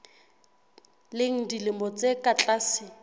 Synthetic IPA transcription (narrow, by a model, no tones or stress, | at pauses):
leŋ̩dilɪmɔt͡sʼekʼat͡ɬʼaːsɪ